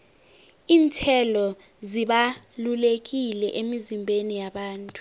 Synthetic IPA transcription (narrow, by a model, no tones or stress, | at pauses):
iːntʰɛlɔ | ziɓalulek̬ilɛʔemizimbʱenijaɓaːntʼu̥